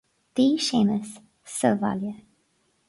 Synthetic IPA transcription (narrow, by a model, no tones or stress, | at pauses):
ð̥iʃẽməsː | əva̰ljə